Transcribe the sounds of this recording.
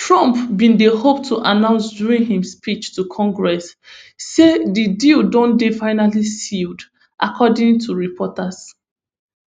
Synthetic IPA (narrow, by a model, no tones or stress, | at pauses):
tʰɹɔ̃mpbĩndehoptʰuʔanãʊ̃nsduɹĩŋhĩmspit͡ʃtʰukʰɔ̃ŋɡɹɛsː | edididõndefaɪnalisild | ʔa̰kʰɔdĩŋtʰuɹipʰɔtas